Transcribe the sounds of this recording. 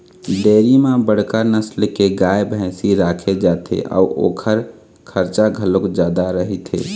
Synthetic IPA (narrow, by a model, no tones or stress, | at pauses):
ɖeːɾimãbəɽ̤kəɾnəslkeɡajbʱɛ̃siɾaːkʰed͡ʒat̪ʰḛʔɔ̰uʔo̰ːkʰəɾ | kʰəɾt͡ʃaɡʱəlokd͡ʒaːd̪aɾəɦit̪ʰḛ